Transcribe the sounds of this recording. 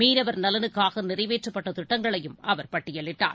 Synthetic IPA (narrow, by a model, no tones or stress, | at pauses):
miːnɐʋɐɾnɐlɐnɯkːaːɣɐnɪrɐɪʋeːʈrɐpːɐʈːɐt̪ɪʈːɐŋɡɐɭɐjɯmɐʋɐɾpɐʈːɪjɐɭːɪʈːa̰ːɾ